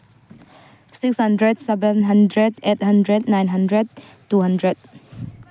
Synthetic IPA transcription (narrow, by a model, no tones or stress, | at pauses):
sikshʌndɾedsɛbɛnɦɐndɾedet̚hɐndɾednajnɦandɾed̚ | tːuɦandɾed̚